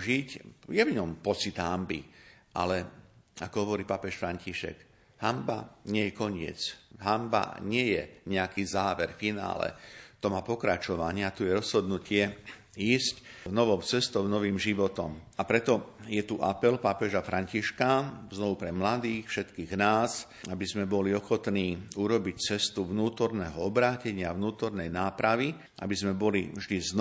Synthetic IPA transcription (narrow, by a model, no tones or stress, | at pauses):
ʒicjɛvɲɔmpɔt͡sid̪ɦambḭ | ʔa̰lɛakɔɦɔʋɔɾiːpapɛʃfɾaɲciʃɛ̰ɡ | hamba̰ɲɪɛjɛkɔɲɪɛ̰t͡sɦamba̰ɲɪɛjɛ̰ɲɛakiːzaːʋɛɾfina̰ːlɛ̰t̪ɔmaːpɔkɾat͡ʃɔʋaɲɪat̪ujɛɾɔz̥ɦɔd̪nucɪɛ | iːscnɔʋɔʊt͡sɛst̪ɔʊnɔʋiːmʒiʋɔt̪ɔmapɾɛt̪ɔjɛt̪uʔapɛlpapɛʒafɾʔaɲciʃkaznɔʋupɾɛmlad̪iːxfʃɛt̪kiːɣnaːs | abizmɛbɔliɔxɔt̪niːuɾɔbict͡sɛst̪uʋnuːt̪ɔɾnɛɦɔɔbɾaːcɛɲɪavnuːt̪ɔɾnɛjnaːpɾaʋi | ʔa̰bizmɛbɔlḭvʒd̪izn